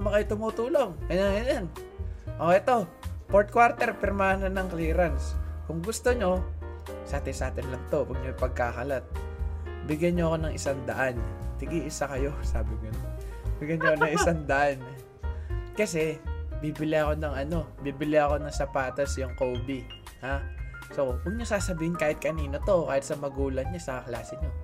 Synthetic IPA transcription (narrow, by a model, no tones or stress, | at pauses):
mɐkɐjt̪ʊmuːt̪uːlo̞ŋɐjaŋɐnjan | ʔoʔɛt̪o̞ | poɹt̪̚kwaɾt̪ɛɾpɛɾmaːnonɐŋkliːɾɐnskʊŋɡʊst̪oɲo̞saːt̪ɪnsɐʔaːt̪ɪnlɐmt̪o̞wɐɡ̚ɲojpɐɡ̚kaːkɐlat̪̚ | bɪɡjɐɲːoɐko̞nɐŋʔɪsaŋd̪ɐʔant̪ɪɡiːʔɪsakɐjo̞saːbɪŋonobɪɡjaɲokonɐŋʔɪsaŋd̪ɐʔan | kɐsɛbibɪlɪɐko̞nɐŋɐno̞biːbɪlɪɐko̞nɐŋsɐpaːt̪ɐsjʊŋkobi | ha | so̞wɐɡ̚ɲosaːsɐbiːhɪnkaːhɪt̪̚kɐniːno̞t̪o̞kaːhɪt̪sɐmɐɡuːlɐnɲasɐkɐklaːsɪɲo